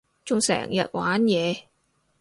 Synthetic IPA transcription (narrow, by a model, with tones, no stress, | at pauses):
t͡sʊ˨˧ŋsɛ̰ː˨˩ŋjɐ˨t̚wʔaː˨˥njɛː˨˧